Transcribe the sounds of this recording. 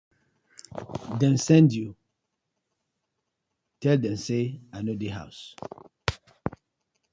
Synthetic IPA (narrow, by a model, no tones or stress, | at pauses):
dɛ̃nsɛ̃ndju | tɛldɛ̃mseanodeɦa̰ʊs